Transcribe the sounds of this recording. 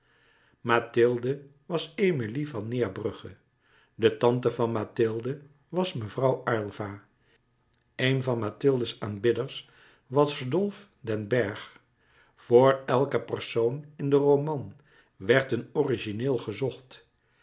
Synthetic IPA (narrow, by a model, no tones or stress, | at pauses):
matɪlˠdə | ʋɑsejmilivɑnɪːɹbrɵχə | dətɑntəvɑnmaːtɪlˠdə | ʋɑsməvrɑwɑɹlˠva | ejnvɑnmaːtɪlˠdəsaːnbɪdəɹs | ʋɑsdɔlˠf | dɛnbɛɹχ | v̥ʊːɹɛlˠkəpərsownɪndərowmɑn | ʋɛɹtənɔriʒineːlˠχəzɔχt